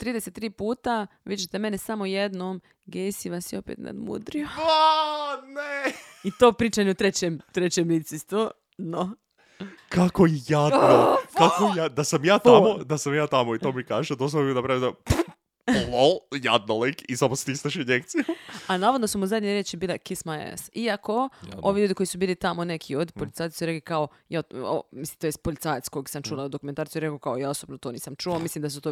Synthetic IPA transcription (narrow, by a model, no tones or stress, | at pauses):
t̪ɾiːd̪eset̪ːɾiːpuːt̪aʋid͡ʑet̪eme̞nesamojed̪nom | ɡesiʋasjio̞pḛt̪na̰d̪mṵd̪ɾioaneit̪o̞ːpɾiːt͡ʃaɲeut̪ɾet͡ɕemt̪ɾet͡ɕemliːt̪sist̪ʋo | d̪no | kʰakoijad̪okakojad̪asamjaːt̪amod̪asamjaːt̪amoit̪omikaːʒed̪osanapɾaʋid̪ap | lojad̪̚nolekisamost̪ist̪aʃinekt̪sijaanaːʋod̪nosumuzad̪ɲeɾjet͡ʃibiːlekismaeḛsiako̞oʋiʎuːd̪iko̞jisubiːlit̪amonekʰiod̪ipolit̪aj̪suɾeklekao | jaːo̰mislimt̪ojest̪polit̪saːjet̪sko̞jiksamt͡ʃulˠaud̪okument̪aːɾt̪ijuɾekokaojaːosobnot̪oːniːsamt͡ʃuoːmislimd̪as̬ut̪o